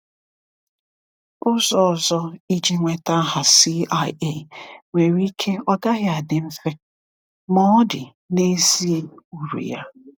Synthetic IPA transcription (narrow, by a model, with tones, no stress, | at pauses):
ʊ˦zɔ˦˨zɔ˦i˦d͡ʒi˦ŋʷe˨ta˦ɦa˨si˦a˦e˦˨ŋʷe˨ɾi˦kʰe˦ɔ˦ɡa˦ɣja˨dɪ˨m̩˦fe˦ | mɔ˦dɪ˨ | ne˦zi˦u˨ɾṵ˨ja̰˦